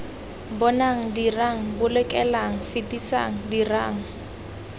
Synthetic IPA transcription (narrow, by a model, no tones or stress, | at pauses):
bɔnaŋ̩diraŋ̩bʊlɛkʼɛlaŋ̩fɪtʼisa̰ŋ̩dira̰ːŋ̩